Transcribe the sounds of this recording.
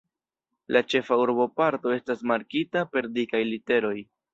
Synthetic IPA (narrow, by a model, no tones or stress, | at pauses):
lʔat͡ʃe̞fauɾbo̞paɾto̞e̞stasmaɾkitape̞ɾdikajlite̞ɾo̞j